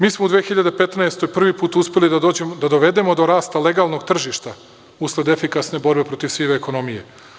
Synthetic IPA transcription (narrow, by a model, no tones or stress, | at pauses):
miːsmoud̪ʋeːxiʎad̪e̞pe̞t̪naest̪o̞jpr̩ʋipuːt̪uspe̞lid̪aoed̪ad̪o̞ʋe̞d̪e̞mo̞d̪o̞ɾaːst̪ale̞ɡalˠno̞ɡt̪r̩ʒiʃt̪a | uslˠed̪e̞fikasne̞bo̞ɾbe̞pɾo̞t̪isʋiʋeːko̞no̞mije̞̰